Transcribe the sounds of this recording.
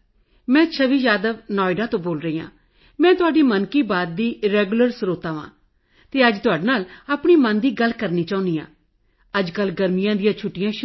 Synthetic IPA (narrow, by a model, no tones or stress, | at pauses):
mɛ̃ːt͡ʃʰəʋiːd͡ʒaːd̪əʋnɔːɪɖaːt̪õːboːlɾəiːã̰ː | mɛ̃ːt̪ʊaːɖiːmənkiːbaːd̪̚d̪iːɾɛːɡʊləɾsɾoːt̪ãːʋã̰ː | t̪eːəd͡ʒt̪ʊaːɖeːnaːləpɳ̃iːmənd̪iːɡəlkəɾniːt͡ʃaːʊ̃nd̪iːã̰ː | əd͡ʒkəlɡəɾmɪjãːd̪ɪjãːt͡ʃʰʊʈːɪjãːʃ